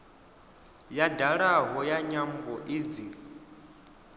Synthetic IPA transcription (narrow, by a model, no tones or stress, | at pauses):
jadaɺaɦɔjaɲambɔʔid͡ziːɺ